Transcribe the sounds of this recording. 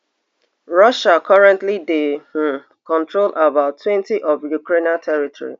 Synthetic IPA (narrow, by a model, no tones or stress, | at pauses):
ɹʌʃakʰɔɹɛ̃ntlide | kɔ̃ntɹolʔabaʊtːwɛ̃ntiʔɔvjukɾenatʰɛɹitʰɔ̰ɹḭ